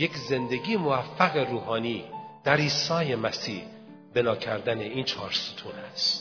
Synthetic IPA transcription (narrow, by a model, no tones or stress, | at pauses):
je̞kze̞nd̪e̞ɡiːjemovæfːæɣeɾuːɦɒːniːd̪̥æɾiːsɒːje̞mæsiːh | be̞nɒːcʰæɾd̪æneiːnt͡ʃʰɒːɾsu̥t̪ʰuːnæst̪